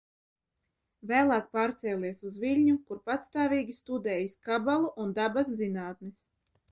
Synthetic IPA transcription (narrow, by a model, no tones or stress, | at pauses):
væːlˠaːk̚paːɾt̪sɛːlʲiɛsuzvʲiʎʲɲukuɾpat̪st̪aːvʲiːɡʲist̪ud̪ɛːjiskabalˠuʔund̪abaszinaːt̪nis